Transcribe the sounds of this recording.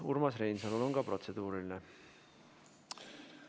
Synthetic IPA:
ṵrmɑsrejnsɑlulo̞nkɑpro̞t̪se̞d̪̥uːɾiline

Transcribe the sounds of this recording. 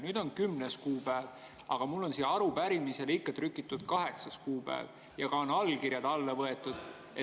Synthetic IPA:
nyːd̪o̞nkymneskuːpæev | ʔɑɡ̥ɑmulːo̞nsiɑɾupæɾimise̞likːˑɑt̪rykːˑit̪ːˑud̪̥̚kɑɦe̞ksɑskuːpæ̰ḛv | jɑɡ̥ɑonɑlkirjɑd̪̥ɑlːevɤe̞t̪ːˑud̪̥ | e

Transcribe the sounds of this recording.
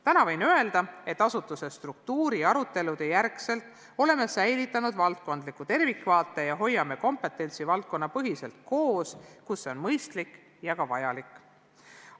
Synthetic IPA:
t̪ænɑvɤjnøe̞ld̪̥ɑe̞t̪ːˑɑsut̪ːˑuse̞st̪ruk̚t̪uːɾiɑɾut̪ːe̞lud̪̥e̞jærkse̞lt̪ˑ | o̞le̞me̞sæjlit̪ːˑɑnud̪̥vɑlt̪̚ko̞nd̪likːˑut̪e̞rvikːvɑːt̪ːˑe̞jɑɦo̞jːɑme̞ko̞mpe̞t̪ːe̞nʲt̪sivɑlt̪̚ko̞nːɑpɤɦise̞lt̪̚ko̞ːskuseo̞nmɤjst̪lik | jɑkɑvɑ̰jɑlikːˑ

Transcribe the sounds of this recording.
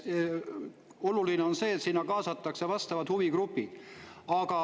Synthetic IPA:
o̞lulineo̞nse̞ːt̪sinːɑkɑːsɑt̪ːˑɑksevɑst̪ɑvɑd̪̥huvikrupːid̪̥ɑɡ̥ɑ

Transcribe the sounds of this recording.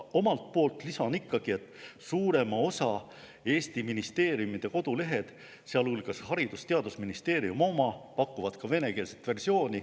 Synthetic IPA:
o̞mɑlt̪̚po̞ːlt̪ˑlisɑnikːˑɑɡ̥ie̞t̪ːˑsuːɾe̞mɑo̞sɑ | e̞ːst̪iminist̪e̞ːɾiumid̪̥e̞ko̞d̪̥ule̞ɦe̞d̪̥ | seɑlulɡ̥ɑshɑɾid̪̥ust̪e̞ɑd̪usminist̪e̞ːɾiumo̞mɑpɑkːˑuvɑd̪̥kɑve̞ne̞ke̞ːlset̪ːˑve̞rsio̞ːnʲi

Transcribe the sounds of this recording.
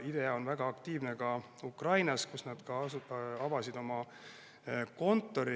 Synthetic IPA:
id̪̥e̞ɑo̞nvæɡ̥ɑːkt̪iːvne̞kɑ | ukrɑjnɑskusnɑd̪̥kɑɑvɑsid̪o̞mɑ | ko̞nt̪ːˑo̞ɾi

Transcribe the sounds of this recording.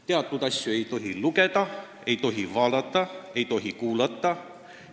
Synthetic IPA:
t̪e̞ɑt̪ːˑut̪ɑsʲjoe̞jt̪o̞ɦiluke̞t̪ɑ | e̞jt̪o̞ɦivɑːld̪ɑt̪ːˑɑe̞jt̪o̞ɦikuːlɑt̪ˑːɑ

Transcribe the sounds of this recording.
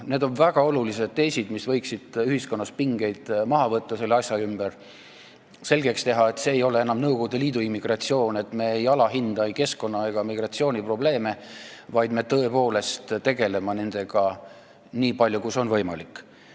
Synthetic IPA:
ne̞d̪o̞nvæɡ̥ɑo̞lulis̬e̞d̪̥̚t̪e̞jsʲid̪misvɤ̞jksid̪̥yhisko̞nːɑspiŋɡ̥e̞jd̪̥mɑɦɑvɤt̪ˑːɑse̞lːeɑsʲjɑymb̥er | se̞lɡ̥e̞kst̪e̞ɦɑe̞t̪se̞ːjo̞le̞e̞nɑmnɤwɡoɡud̪eliːd̪uimːiɡ̥rɑt̪sio̞ːne̞t̪ːˑme̞ejɑlɑɦind̪̥ɑjke̞sko̞nːɑe̞ɡ̥ɑmiɡ̥rɑt̪sio̞ːnʲipro̞b̥le̞ːme̞vɑjd̪me̞t̪ɤe̞po̞ːle̞st̪t̪e̞ɡe̞le̞mɑne̞nd̪̥e̞ɡ̥ɑ | niːpɑlʲjukuso̞nvɤ̞jmɑ̰likːˑ

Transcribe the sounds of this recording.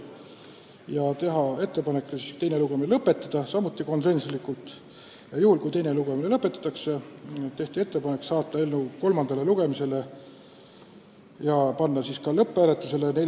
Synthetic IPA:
jɑt̪e̞ɦɑe̞t̪ːe̞pɑne̞kˑːesist̪e̞jne̞luɡ̥emilɤpːˑe̞t̪ːˑɑd̪̥ɑsɑmːut̪ˑːiko̞nse̞nslikːult̪ˑ | jɑjuhulkujt̪e̞jneluɡ̥emilelɤpːˑe̞t̪ːˑɑ̥t̪ːˑɑkset̪e̞ht̪ie̞t̪ːe̞pɑne̞ksɑːt̪ˑːɑelnuko̞lmɑnd̪̥ɑle̞luɡ̥e̞mise̞le̞ | jɑpɑnːɑsiskɑlɤpˑːæːle̞t̪ːˑuse̞le̞ne

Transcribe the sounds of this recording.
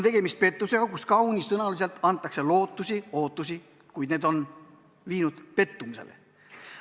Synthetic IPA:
nt̪e̞ɡ̥e̞mist̪̚pe̞t̪ˑːuse̞ɡ̥ɑkuskɑwnʲisːɤnɑlis̬e̞lt̪ːˑɑnt̪ːˑɑkse̞lo̞ːt̪ːˑusio̞ːt̪ːˑusi | kujd̪ne̞ːd̪o̞n | viːnud̪̥pe̞t̪ːumise̞̰lḛ

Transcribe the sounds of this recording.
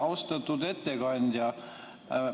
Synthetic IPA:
ɑwst̪ɑt̪ːud̪et̪ːeɡɑnʲd̪ʲjɑ

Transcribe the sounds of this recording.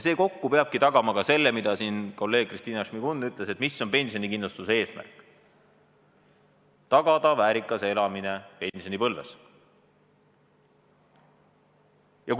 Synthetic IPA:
jse̞ːko̞kːupe̞ɑb̥̚kit̪ɑɡ̥ɑmɑkɑse̞lːe̞mid̪̥ɑsinko̞lːe̞ːɡ̥̚krist̪iːnɑʃmiɡ̥unːyt̪ːˑlese̞t̪ˑmisːo̞mpe̞nsio̞nikinlust̪usee̞ːsmæ̰rkːˑ | t̪ɑɡ̥ɑd̪ɑvæːɾikˑːɑse̞lɑmine̞pe̞nʲsio̞nipɤlvḛs | jɑk

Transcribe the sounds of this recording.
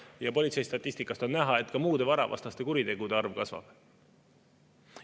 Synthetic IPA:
jɑpo̞lʲit̪sejst̪ɑt̪ʲːˑist̪ikːˑɑst̪o̞nnæɦɑe̞t̪ːˑkɑmuːd̪̥e̞vɑɾɑ̰vɑ̰st̪ɑst̪e̞kuɾit̪e̞ɡ̥ud̪̥e̞ɑrvkɑsvɑ̰b̥

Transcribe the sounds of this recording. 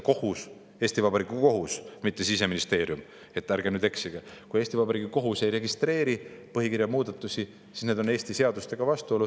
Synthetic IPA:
ko̞hus | e̞ːst̪ivɑbɑɾikuko̞ɦusmit̪ːesise̞minist̪e̞ːɾjum | e̞t̪ːæɾɡenyːd̪eksiɡ̥ɑkujest̪ʲivɑbɑɾiːɡiko̞ɦuse̞jɾe̞ɡist̪re̞ːɾipɤɦikiɾjɑmuːd̪̥ɑt̪ˑːusi | sisne̞d̪o̞ne̞ːst̪ise̞ɑd̪ust̪e̞ɡ̥ɑvɑst̪uo̞lːud̪̥

